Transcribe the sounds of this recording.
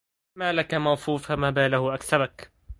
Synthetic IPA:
maːlakamɑwfuːfamaːbaːlahʊʔaksabak

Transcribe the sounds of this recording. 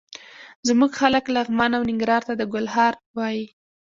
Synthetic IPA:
zmuɡxaləklaɣmanawnɪŋɡɾɑɾt̪ad̪əɡʊlhɑɾwɑji

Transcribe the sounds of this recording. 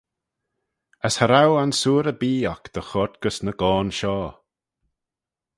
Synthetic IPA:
əshəɾawansuːɾəbiːakd̪̥əxɔt̪ɡ̥əsnəɡ̥ɔːnʃɔː

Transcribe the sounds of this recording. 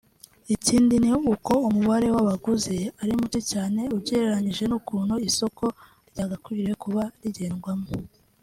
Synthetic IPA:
iciːndiniuko̞umuβaɾe̞waβaɡuzeaɾimuticaːne̞uβɟeːɾeɾaɲiʒe̞nukuːnhoiso̞ko̞ | ɾɟaːɡakuɾiɾe̞kuβaɾiɟe̞ːnɡwamo

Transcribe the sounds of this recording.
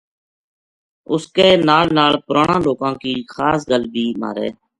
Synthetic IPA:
ʊskeːnaːlnaːɭpʊɾaːɳãːloːkãːkiːxʰaːsɡəlbʱiːma̰ːɾḛː

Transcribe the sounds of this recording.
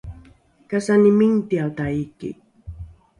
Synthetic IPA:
kasanimiŋt̪ialt̪aikḭ

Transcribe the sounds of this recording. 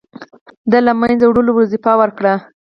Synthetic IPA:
d̪alamanzawɽolowɾazifɑwəɾkɽa

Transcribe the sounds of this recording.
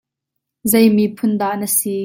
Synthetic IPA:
zejmipʰʊnd̪aːʔnəsi

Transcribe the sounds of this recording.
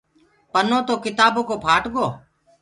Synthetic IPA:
pənõːt̪oːkɪt̪aːboːkoːpʰaːʈɠoː

